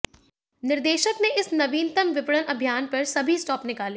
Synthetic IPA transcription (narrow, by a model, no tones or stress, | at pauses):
nɪɾd̪eːʃəkneʔɪsnɐʋiːnt̪ənʋɪpɽənɐbʱijaːnpɐɾsɐbʱisʈɔːpnɪkaːleː